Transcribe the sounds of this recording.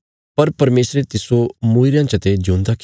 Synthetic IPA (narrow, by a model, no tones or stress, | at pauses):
pɐɾpɐɾmeːsɾet̪ɪsomuːiɾjãt͡ʃɐt̪ed͡ʒũnd̪ak